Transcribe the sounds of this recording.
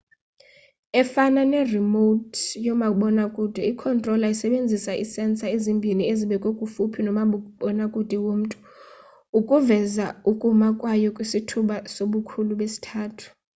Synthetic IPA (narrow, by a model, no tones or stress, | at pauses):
ɛfananɛrimotʰjɔmaɓɔnakʼud̥ʱɛikʰɔntʼrɔlaisɛɓend͡zʱisaʔisɛnt͡sʼaezimbʱinieziɓɛkʼokʼufupʰinɔmaɓuɓɔnakʼud̥ʱɛwom̩tʼu̥ | ukʼuvɛzaukʼumakʼwajɔkʼwisitʰuɓasoɓukʰuluɓesi̥tʰaːtʰu̥